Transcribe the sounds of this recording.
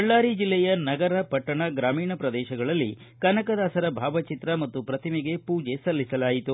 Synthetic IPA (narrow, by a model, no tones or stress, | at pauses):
ɐɭːaːɾid͡ʒilːɛjɐnɐɡɐɾɐpɐʈːɐɳɐɡɾaːmiːɳɐpɾɐd̪ɛːʃɐɡɐɭɐlːḭ | kɐnɐkɐd̪aːsɐɾɐbʱaːʋɐt͡ʃit̪ɾɐmɐt̪ːupɾɐt̪ʰimiɡe̞puːd͡ʒe̞sɐlːisɐlaːjit̪u